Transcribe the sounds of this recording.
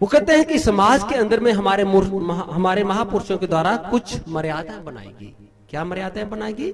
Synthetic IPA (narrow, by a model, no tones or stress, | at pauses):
ʋokɛɦt̪eɦɛ̃kisɐmaːd͡ʒkeɐ̃nd̪əɾmẽɦɐmaːɾemʊɦɦɐmaːɾemɐɦapʊɾʃõked̪waːɾakʊt͡ʃʰmɐɾjaːd̪aɦbɐna̰ːḛ̃ːɡḭː | kjaːmɐɾjaːd̪ãbɐnaːeɡiː